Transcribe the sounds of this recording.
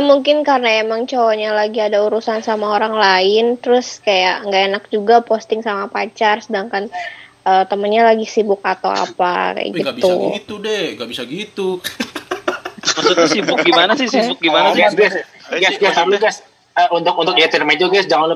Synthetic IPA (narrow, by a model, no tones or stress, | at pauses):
amuŋkɪnkarnaemaŋt͡ʃowaɲalaɡiadauɾusansamaoɾaŋlaɪnt̪əɾʊskajaʔŋɡaenak̚d͡ʒuɡapost̪ɪŋsamapat͡ʃarsədaŋkanʔəːt̪əmənɲalaɡisibʊk̚at̪a̰wa̰pa̰ka̰ja̰ɡit̪ṵit̪udɛŋɡabisaɡit̪u | əut̪ʊsibʊkɡimanasɪsibʊk̚ɡimanaɡasɡɛs | ɡasɡasaluɡas | əunt̪ʊk̚unt̪ʊkiat̪iɾmad͡ʒuɡasd͡ʒaŋanl